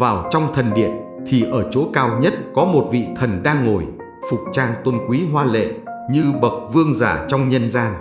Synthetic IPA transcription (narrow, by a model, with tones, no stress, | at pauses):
vaː˨˩wt͡ɕɔ˧wŋ͡mt̪ʰə˨˩nɗḭ˧˨ən | t̪ʰi˨˩ʔəː˧˩t͡ɕo˨˦kaː˧wɲə˦˥t̚kɔ˨˦mo˨˩t̚vḭ˧˨t̪ʰə˨˩nɗaː˧ŋːo˨˩j | fʊ˨˩k͡p̚t͡ɕaː˧nt̪wə˧nkwi˨˦ɦwaː˧lḛ˧˨ɲɨ˧ɓə˨˩k̚vɨ˧əŋzaː˧˩t͡ɕɔ˧wŋ͡mɲə˧nzaː˧n